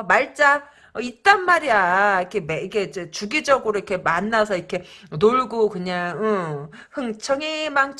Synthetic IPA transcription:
maɭt͡ɕ͈a | ʌit͈anmaɾiaikʰe̞meiɡʰe̞d͡ʑet͡ɕuɡid͡ʑʌɡɯɾoikʰe̞manːasʰʌikʰe̞noɭɡokɯɲaŋɯ | hɯŋt͡ɕʰʌŋimaŋt͡ɕʰ

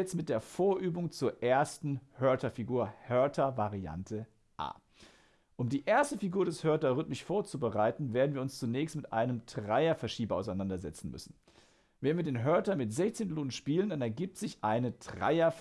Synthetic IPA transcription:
ɛt͡stmɪt̚d̥eːɐfoːɐʔyːbʊŋt͡suːɐʔeːɐstn̩hœɐtɐfiɡuːɐhœɐtʰɐvaʁia̰ntʰə | ʔa̰ː | ʔʊmdiːʔeːɐstəfiɡuːɐɾɛshœɐtɐʁʏtmɪʃfoːɐt͡subəʁaɪtn̩veːɐdn̩viɐʊnst͡sunɛːçstmɪtʔa̰ɪnəmtʁ̥aɪɐfɛɐʃiːbɐʔaʊsaɪnandɐzɛt͡sn̩mʏ̰sn̩ | vɛnviːɐdeːnɦœɐtɐmɪtz̥ɛçt͡sɪntloːnnʃpiːləndanɛɐɡiːp̚tz̥ɪçʔaɪnətʁ̥a̰ɪɐf

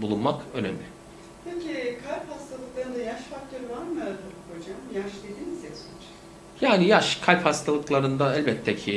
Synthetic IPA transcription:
bulˠunmakø̞nḛmlʲɪ | pʰecikʰalʲphast̪ʰalˠɯklˠaɾɯnd̪ajaʃfak̚t̪ʰø̞ɾɯvaɾmɯjaɾd̪ɯɾko̞d͡ʒamjaʃd̪e̞d̪iːnizjasmt͡ʃ | jaːnijaʃkʰalʲphast̪ʰalˠɯklˠaɾɯnd̪aɛlʲbɛt̪ʰːɛcʰi

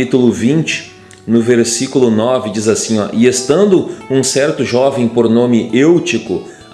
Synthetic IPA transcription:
it̪ulʊvĩnt͡ʃɪ̥ | nʊveɾsikulʊnɔvɪd͡ʒizasĩɔ̰ʔɪest̪ɐ̃nd̪ʊũsɛɾt̪ʊʒɔvẽj̃poɾnõmɪʔewt͡ʃikʊ

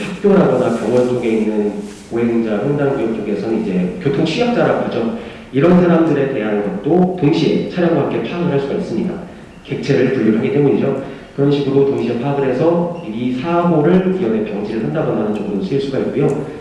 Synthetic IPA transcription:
t͡ɕʰuk̚p͈joɾɦaɡʌnakjʌŋwʌnt͡ɕʰoɡe̞inːɯn | oɦe̞ŋd͡ʑajjondaŋɡojʌk̚t͡ɕ͈ʰoɡe̞sʰʌnɯnid͡ʑe̞kjotʰoŋt͡ɕʰijʌk̚t͡ɕ͈aɾaɡʌd͡ʑo | iɾʌnsʰaɾamdɯɾe̞te̞ɦannɡʌt̚t͈otoŋɕʰit͡ɕʰaɾjʌŋbak͈e̞t͡ɕʰaaŋɦaɭs͈uɡais͈ɯmɲida̰ | ke̞k̚t͡ɕʰe̞ɾɯɭtuɭːuɦaɡit͈e̞muɲid͡ʑo | kɯɾʌnɕʰiɡɯɾotʌŋɕʰiepʰaɡɯɾe̞sʰʌibisʰaɡoɾɯɭkijʌbepjʌŋd͡ʑiɾɯɭɦandaɡʌnanɯnt͡ɕʌŋdomsʰuiɭs͈uɡaik̚k͈ujo

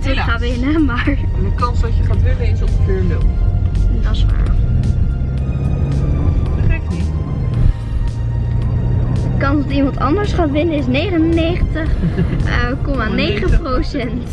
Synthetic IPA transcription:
təχaːɪnəmaɹ | dəkɑnsɔtjəχaːtʋɪnəɪsɔp̚dəkøːɹlɪl | dɑsʋa̰ː | ərɛkɪ | dəkɑnsɔtimɑntɑ̰ndəɹsχaːtʋɪnəɪs̬nejχənənejχəntəχ | kɔmanejχəprosɛnt

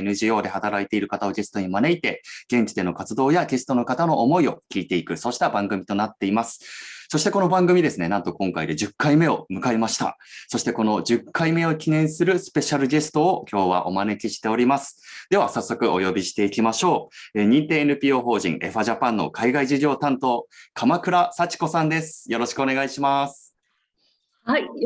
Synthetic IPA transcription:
enɯ̟ʑio̞ːd̪e̞hat̪aɾait̪e̞iɾɯ̟kat̪ao̞ɡe̞sɨ̥t̪o̞ɲ̟imane̞it̪e̞ɡ̥ẽ̞ɲ̟t͡ɕid̪e̞no̞kat͡sɨd̪o̞ːjaɡe̞sɨ̥t̪o̞no̞kat̪ano̞ʔːmo̞io̞kʲiːt̪e̞ikɯ̟so̞ɕi̥t̪abãŋɡɯ̟mʲit̪o̞nat̪ːe̞imasɨ̥so̞ɕi̥t̪e̞ko̞no̞bãŋɡɯ̟mʲid̪e̞sɨne̞nãnt̪o̞kõ̞ŋkaid̪e̞d͡ʑɨkːaime̞o̞mɯ̟kaemaɕi̥t̪a̰so̞ɕi̥t̪e̞ko̞no̞ʑɨkʰːaime̞o̞kʲinẽ̞ɰ̃sɨɾɯ̟sɨ̥pe̞ɕaɾɯ̟ɡe̞sɨ̥t̪o̞ːkʲo̞ːβa̰ʔo̞mane̞kʲiɕi̥t̪e̞o̞ɾʲimasɨ̥d̪̥e̞βasasːo̞kɯ̟ʔo̞jo̞bʲiɕi̥t̪e̞ikʲimaɕo̞ːeːɲ̟ĩnt̪e̞ːenɯ̟pʲiːo̞ːɦo̞ːʑḭ̃ŋʔe̞ɸaʑapãnːo̞̰kʰaiɡaiʑiɡʲo̞ːt̪ãnt̪o̞kʰamakɯ̟ɾasat͡ɕi̥ko̞sãnd̪e̞sɨ̥jo̞ɾo̞ɕi̥kɯ̟o̞ne̞ɡaiɕimasɨ̥

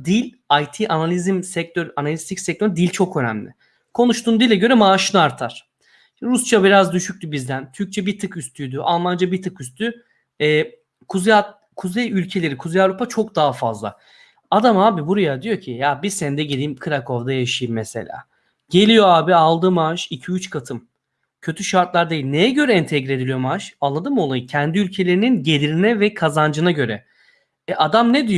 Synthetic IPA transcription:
d̪ilʲ | ajt̪ʰiʔanalʲizimsɛc̚t̪ʰøɾanalʲist̪ʰicsɛc̚t̪ʰøɾd̪ilʲt͡ʃʰo̞kønæ̰mlʲɪ̰ | kʰo̞nuʃt̪ʰuːnd̪ilʲːɛɟø̞ɾɛmaːʃɯnɯaɾt̪ʰaɾ̥ | ɾust͡ʃʰabiɾazd̪yʃyc̚ʲt̪ybizd̪ænt̪ʰyɾc̚t͡ʃʰɛbit̪ʰɯkyst̪ʰyd̪yʔa̰lˠmand͡ʒabit̪ʰɯkyst̪ʰy | ɛː | kʰuza | kʰuzejylʲcʰe̞lʲe̞ɾikʰuzejaɾupʰat͡ʃʰo̞kd̪aːafa̰zlˠa̰ | ad̪amhaːbibuɾajad̪ijo̞cʰijabisɛnd̪ɛɟed̪ʲiːmkʰɯɾakʰo̞vd̪ajaʃɯjɯmːɛse̞̰lʲa̰ː | ɟ̥e̞lʲijo̞aːbialˠd̪ɯmaʃicʰiyt͡ʃkʰat̪ʰɯm | cʰø̞t̪ʰyʃaɾt̪lˠaɾd̪ajilʲnejɛɟø̞ɾɛɛnt̪ʰɛɡɾied̪ilʲijo̞maʃalˠːad̪ɯmo̞lˠajɯcʰɛnd̪iylʲcʰe̞lʲe̞ɾininɟe̞lʲiɾinɛvɛkʰazand͡ʒɯnaɟø̞ɾɛ | ɛʔad̪amnɛd̪ij

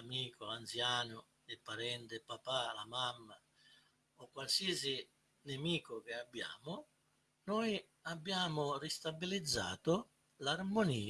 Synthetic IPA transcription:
amiːkʊant̪sjaːnʊ | ɪpːaɾɛnt̪ɪpapalamamːa | ɔkːwalsiːɛsi | nemiːkʊkeabːja̰ːmʊ | nɔːj | abːjaːmʊrist̪abilid̪zːa̰ːt̪ʊ | larmoniː

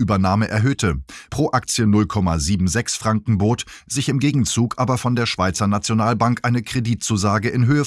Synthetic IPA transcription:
ʔyːbɐnaːməʔɛɐɦøːtʰəpʁ̥oːʔakt͡sjənʊlkʰɔma̰ziːbm̩zɛksfʁ̥aŋkŋ̩boːtz̥ɪçɪmɡeːɡŋ̩t͡suːkʔaːbɐfɔndeːɐʃv̥aɪt͡sɐnat͡sjonaːlbaŋkʔaɪnəkʁ̥ediːtt͡suːzaːɡəʔɪnɦøːə

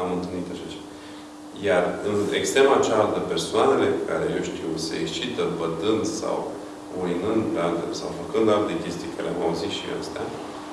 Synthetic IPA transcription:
amɨnt̪ɨlnit̪aʃat͡ʃeva | jarɨne̞kst̪ɾemaːt͡ʃalt̪əpersoane̞le̞kaɾe̞jewʃt̪iwseekst͡ʃit̪əbəd̪ɨnd̪sa̰w | ojnɨnd̪pealt̪esawfəkɨnd̪alt̪ekʲest̪ikaɾelʲa̰ma̰uzit̪ʃia̰st̪ea̰

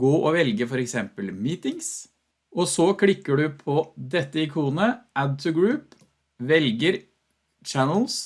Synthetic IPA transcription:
ɡoːʔɔʋɛlɡəfɔɾɛksɛmpəlmiːt̪ɪŋs | ʔɔsɔkʰlɪkːəɖʉpʰɔd̪ɛt̪ːəɪkʰuːnəʔæd̪̚t̪ʰʉɡɹʉːp | ʋɛlɡəɾ | t͡ʃænl̩s

